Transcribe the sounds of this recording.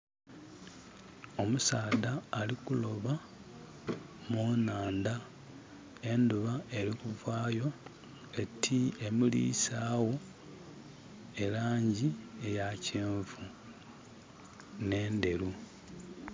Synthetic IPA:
o̞musaːdaːlikulo̞βa | moːnaːnda | e̞nduβae̞ɾikuvaːjo̞ | etʰiemilḭsaːwo̞ | e̞laːɲɟiejaceːɱvu | ne̞ːnde̞ɾu

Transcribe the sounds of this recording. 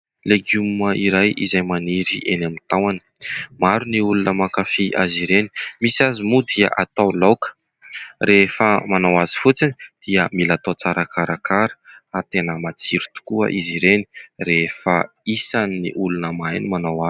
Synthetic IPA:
leɡuməiɾajḭzajmaniɾiʔenamit̪awani̥maɾuniulunəmakafiʔa̰ziɾeni̥misazimud̪iə̰ʔat̪awlokə̥ | refəmanawazi̥fut͡sini̥d̪̥iəmilat̪ot͡saɾakʰaɾakaɾə̥at̪enəmat͡siɾu̥t̪u̥kuə̰ʔiziɾeni̥refə | isanːḭʔulunəmajnimanawa

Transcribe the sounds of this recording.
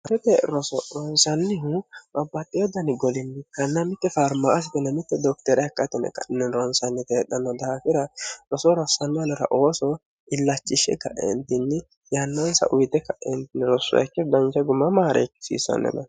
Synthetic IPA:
ɐɾɛt̪ɛɾɔsɔɾɔnsɐnːɪɦʊbɐbːɐt̪ʼːɪjɔd̪ɐnɪɡɔlɪnːɪkːɐnːɐmɪt̪ːɛfɐɾmaʔːsɪt̪ɛnɐmɪt̪ːɛd̪ɔkt̪ɛɾɛɛkːɐt̪ːɛnɛ̰kɐ̰nɛnɾɔnsɐnːɪt̪eːɗːɐnːɔd̪ɐɐfɪɾɐɾɔsɔɾɔsːɐnːɪɐnɔɾɐ̰ʔo̞ːsɔ | ɪlːɐt͡ʃʼːɪʃɛ̰kɐ̰ʔɛ̰nt̪ɪnːɪ | jɐnːɐnsɐ̰ʔʊjt̪ɛkɐʔɛnt̪ɪnːɪɾɔsːʊ̰ɛkːɛd̪ɐnt͡ʃɛɡʊmːɐmaːɾɛ̰kːɪ̥sḭːsɐ̰nːɛ̰nɐ

